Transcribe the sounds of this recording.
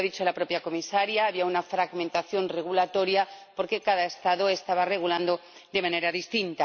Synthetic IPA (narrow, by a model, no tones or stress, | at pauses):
aðit͡ʃoelapɾo̞pjako̞misaɾjaːβiaunafɾaɣmẽnt̪aθjonre̞ɣulat̪o̞ɾjapo̞ɾke̞kaðaest̪aðoe̞st̪aβare̞ɣ̞uland̪o | d̪e̞mãne̞ɾaðist̪int̪a